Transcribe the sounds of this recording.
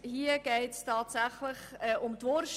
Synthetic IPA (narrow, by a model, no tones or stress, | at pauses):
hiəɡ̥ɛɪtstʰɑːtsæχlɪχɛːʔʊmtʋɔɾʃ